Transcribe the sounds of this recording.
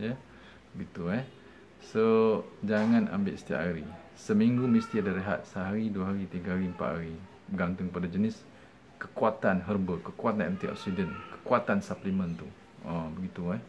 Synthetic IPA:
jə | bəɡit̪uɛ | sod͡ʒaŋãna̰mbɪ̰ʔsə̥t̪ia̰ʔaɾi | səmiŋɡumist̪iadaɾeɦa̰t̪̚səɦaɾiduaɦaɾit̪iɡaɦaɾimpa̰ʔɦaɾi | bəɡant̪ʊŋkəpadad͡ʒənɪs | kəkuat̪anɦərbəkəkuat̪̚nɛnt̪iʔɔ̰ksidənkə̥kuat̪ansaplimə̃nt̪u | əbəɡit̪ua

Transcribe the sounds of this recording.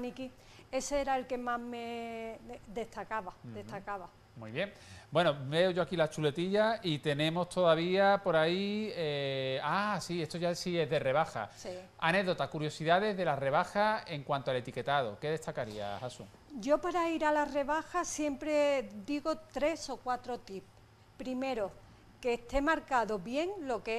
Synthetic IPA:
niki | e̞seeɾae̞lke̞maɦme | d̪e̞ht̪akaβad̪e̞st̪akaβa | muiβje̞ŋbwe̞nobe̞o̞ʝo̞akilat͡ʃule̞t̪iʎait̪e̞nẽ̞mo̞st̪ʰo̞ðaβ̞iapo̞ɾaieasie̞st̪o̞ʝasie̞ɦðe̞re̞β̞axa̰si | a̰ne̞ɣðo̞t̪akuɾjo̞siðaðe̞zðe̞lare̞β̞axae̞ŋkwant̪oale̞t̪ike̞t̪að̞o̞̰ke̞ðe̞st̪akaɾia̰hasṵŋ | ɟ͡ʝo̞paɾaiɾalare̞βaxasje̞mpɾe̞d̪iɣo̞t̪ɾe̞so̞kwat̪ɾo̞t̪ip̚ | pɾime̞ɾo | keːst̪e̞maɾkaðoβje̞ŋlo̞ke

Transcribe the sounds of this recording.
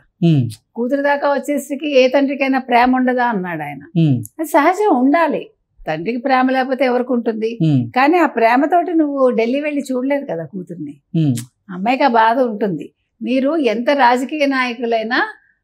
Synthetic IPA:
kuːt̪̬uɾud̪aːkaːʋɐt͡ʃːeːsɐɽikieːt̪ɐɳʈɾikɐjnaːpɾɛːmɐuɳɖɐd̪aːɐnːaːɽaːjnɐɐd̪isɐɦɐd͡ʒɐmuɳɖaːli | t̪ɐɳɖikipɾɛːmɐlɛːpo̞ːt̪eːɛʋɐɾikːuɳʈund̪ikaːniːaːpɾɛːmɐt̪o̞ːʈinuʋːuɖe̞lːiʋeɭːit͡ʃuːɽleːd̪ukɐd̪aːkuːt̪uɾni | ɐmːɐjkabaːd̪ɐuɳʈund̪i | miːɾuent̪ɐɾaːd͡ʒɐkiːjɐnaːjɐkulɐjnaː

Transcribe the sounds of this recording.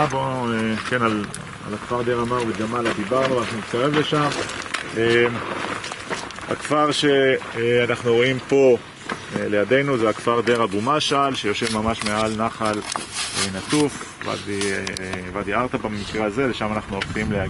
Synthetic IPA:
bokenal | a̰lakfaʁd̪eʁamaʁved͡ʒamalad̪ibaʁnuvanaχnunit̪kaʁe̞vle̞ʃamem | ha̰kfaʁʃe̞anaχnuʁo̞impo̞ | ele̞jad̪e̞jnuzeakfaʁd̪eʁabumaʃalʃejo̞ʃevmamaʃme̞alnaχalenatuf | va̰d̪i | vad̪iaʁt̪abamikʁeazele̞ʃamanaχnuolχimlea

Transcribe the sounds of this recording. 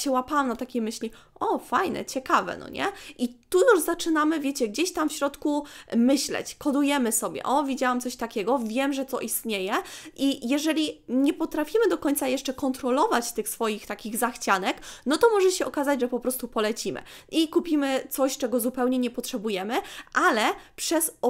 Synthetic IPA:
ɕɛwapawamnat̪akʲejmɘɕlʲiʔɔfajnɛ̰t͡ɕɛkavɛ̰nɔ̰ɲɛ̰ʔitt̪ujuʐzat͡ʂɘnamɘvʲjɛt͡ɕɛɡd͡ʑeɕt̪amfɕɾɔt̪kumɘɕlɛ̰t͡ɕkɔd̪ujɛmɘsɔbʲjɛ̰ʔɔvʲid͡ʑawamt̪sɔɕt̪akʲɛɡɔvʲjɛmʐɛt̪ɔʔist̪ɲejɛʔijɛʐɛlʲiɲɛpɔt̪ɾafʲimɘd̪ɔkɔɲt̪sajɛʂt͡ʂɛkɔnt̪ɾɔlɔvat͡ɕt̪ɘxsfɔjixt̪akʲiɣzaxt͡ɕanɛknɔt̪ɔmɔʐɛɕɛʔɔkazad͡ʑʐɛpɔpɾɔst̪upɔlɛt͡ɕimɘ̰ʔikupʲimɘt̪sɔɕt͡ʂɛɡɔzupɛwɲɛɲɛpɔtʂɛbujɛmɘʔalɛpʂɛz

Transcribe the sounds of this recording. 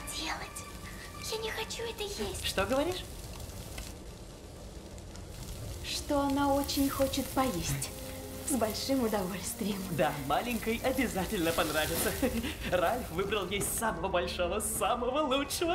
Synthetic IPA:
dʲelˠətʲ | janʲɪxɐt͡ɕuɛt̪əjesʲtʲʂt̪oɡəvɐɾʲiʂ | ʂt̪oɐnaot͡ɕɪnʲxo̞t͡ɕɪt̪pɐjesʲtʲ | zbɐlʲʂɨmʊd̪ɐvo̞lʲst̪vʲɪjəmd̪amalʲɪŋʲkəjʔɐbʲɪzatʲɪlʲnəpɐnɾavʲɪtsəralʲfvɨbɾəlˠvjesʲsaməvəbɐlʲʂovəsaməvəlˠutʂəvə

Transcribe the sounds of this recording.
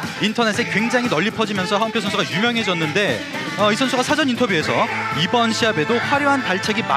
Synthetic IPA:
intʰʌne̞s̬͈ʰekwe̞ŋd͡ʑaŋɦinʌʎːipʰʌd͡ʑimjʌnsʰʌɦampʰjosʰʌnsʰuɡajumjʌŋɦe̞d͡ʑʌnːɯnde̞ | ʌisʰʌnsʰuɡasʰad͡ʑʌnintʰʌbjue̞sʰʌibʌnɕʰiɦabe̞doɸwaɾjoɦantaɭt͡ɕʰe̞ɡima̰

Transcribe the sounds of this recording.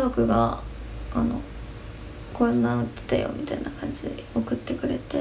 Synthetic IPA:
zokɯ̟ɡa | ano̞̰ | konːãɯt̪ːe̥t̪ajo̞̰mʲit̪ainakãɲd͡ʑid̪eo̞kɯ̟t̪ːe̞kɯ̟ɾe̞t̪e

